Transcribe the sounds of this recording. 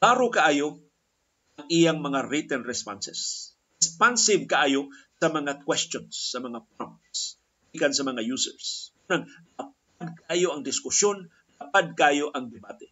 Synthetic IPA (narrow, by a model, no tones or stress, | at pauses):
paːɾokaʔaːjo | ʔaŋʔijaŋmɐŋaɾit̪ɛnɾɛspa̰nsɛs | ɪspansɪvkaʔaːjosɐmɐŋakwɛst͡ʃonsːɐmɐŋapɾamts | bikansɐmɐŋajusɛ̰ɹskunaŋlap̚ad̪̚kaʔaːjoʔɐŋd̪ɪskʊsjon | lapad̪̚kaʔaːjoʔaŋd̪ɪbaːt̪ɛ